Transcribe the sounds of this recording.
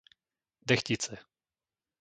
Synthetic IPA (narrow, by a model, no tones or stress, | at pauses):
d̪ɛxcit͡sɛ